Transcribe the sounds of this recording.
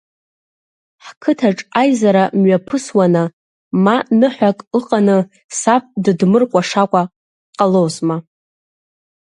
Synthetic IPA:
ħkʰɨtʰaʈ͡ʂʼajzaɾamɥapʰɨswanɨ | manɨħʷakʼɨqʼanɨ | sap̚dɨdmɨrkʷʼaʂakʷʼa | qʼalowzma

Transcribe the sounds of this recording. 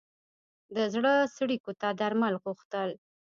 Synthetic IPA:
d̪əzɽəsɽikot̪ad̪aɾmalɣuxt̪əl

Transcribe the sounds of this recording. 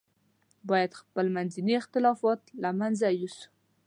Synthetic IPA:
bɑjad̪xpəlmanziniɪxt̪ɪlɑfɑt̪lamanzajisu̥

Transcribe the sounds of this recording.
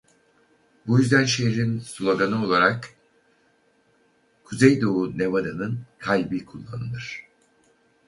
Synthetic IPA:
bujyzd̪ænʃeɦiɾinsulˠoɡanɯo̞lˠaɾak | kʰuzejd̪oune̞vad̪anɯnkʰajbikʰulˠːanɯnɯɾ̥

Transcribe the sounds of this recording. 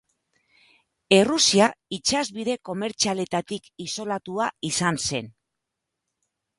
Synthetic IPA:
e̞rusiait͡ʃazβiðe̞ko̞me̞ɾt͡ʃiale̞t̪at̪ikiso̞lat̪uaisanse̞n

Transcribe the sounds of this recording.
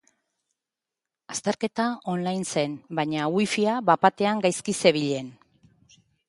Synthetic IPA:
ast̪eɾke̞t̪ao̞nlajnse̞nbaɲawifiaβapat̪e̞aŋɡajskise̞β̞iʎe̞n

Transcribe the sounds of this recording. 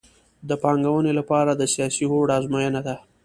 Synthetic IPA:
d̪əpɑŋɡawənelapɑɾad̪əsjɑsiɦoɽɑzmajənad̪a

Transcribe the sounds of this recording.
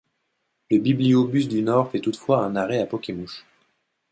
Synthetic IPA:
ləbibliobys̬d̪ynɔʁfɛt̪ut̪fwaɛ̃naʁɛapɔkʲemuʃ

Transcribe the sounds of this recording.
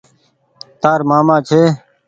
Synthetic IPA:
t̪aːɾmaːmãːt͡ʃʰeː

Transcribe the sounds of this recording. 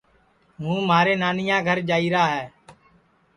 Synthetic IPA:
ɦũːmaːɾeːnaːnɪjãːɡʱəɾd͡ʒaːiːɾaːɦɛː

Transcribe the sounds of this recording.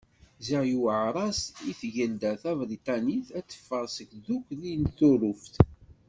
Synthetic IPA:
zəjuʕɾˤɑsiθʝəld̪æθævɾit̪ˤɑniθæt͡sːə̥fːəɾˤsəkðukʷːðinθuɾuft̪

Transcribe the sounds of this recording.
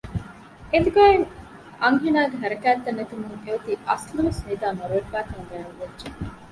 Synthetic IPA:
ed̪uɡɐːeŋ | ʔɐŋɦinaːɡeɦɐɾɐkæːt̪ːɐnːet̪umuŋeɐt̪iʔɐsluʋɐsmid̪aːmɐɾuʋɐɾfaːk̪ɐŋɡæːnuʋɐdːʒe

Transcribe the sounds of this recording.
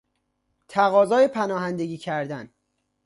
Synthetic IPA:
t̪ʰæɣɒːzɒːjepʰænɒːɦænd̪e̞ɟiːcʰæɾd̪æn

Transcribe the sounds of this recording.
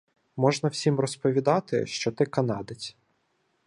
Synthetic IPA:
mɔʒnɐwsʲimrɔspɔʋʲid̪ɑt̪ɪ̰ʃt͡ʃɔt̪ɪkɐnɑd̪ɪt͡sʲ

